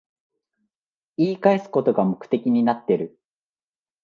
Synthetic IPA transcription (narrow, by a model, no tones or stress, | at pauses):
iːkaesɨ̥ko̞t̪o̞ɡamo̞kɯ̟̥t̪e̞kʲiɲ̟inat̪ːe̞ɾɯ̟